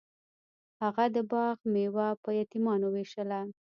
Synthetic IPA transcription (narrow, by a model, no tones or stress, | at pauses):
haɣad̪əbɑɣmewapəjɑt̪imɑnoweʃəla